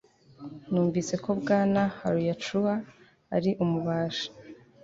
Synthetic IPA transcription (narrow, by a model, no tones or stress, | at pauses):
nuːɱviːse̞ko̞bɡaːnaha̰ɾujat͡ʃuaː | ɾiʔumuβaːʃḁ